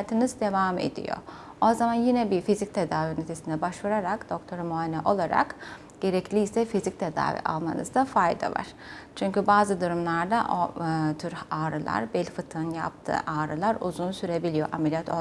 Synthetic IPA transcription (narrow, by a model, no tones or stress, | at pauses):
t̪ʰɯnɯzd̪e̞vaːme̞̰d̪ḭjo̞̰ | ozamanjinɛbiɾfizic̚t̪ʰe̞d̪aːvinet̪ʰesind̪ɛbaʃvuɾaɾakd̪̥o̞kt̪ʰo̞ɾmoanɛ̰ʔo̞lˠaɾa̰k | ɟ̥e̞ɾɛclʲijsɛfizic̚t̪ʰe̞d̪a̰ːvḭʔa̰lˠma̰nɯ̰zd̪afajd̪a̰va̰ɾ̥t͡ʃʰyɲcybaːzɯd̪uɾumlˠaɾd̪aʔot̪ʰyɾaːɾɯlˠa̰ɾbɛlʲfɯt̪ʰɯnja̰p̚t̪ʰɯ̰ːʔaːɾɯlˠaɾṵzunsyɾe̞bilʲijo̞ʔamelʲijat̪ʰo